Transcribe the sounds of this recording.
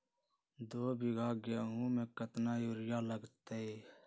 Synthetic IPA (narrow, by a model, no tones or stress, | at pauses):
d̪oːbɪɡʱaːɡeɦũːmẽːkət̪naːjoːɾɪjaːləɡt̪eeː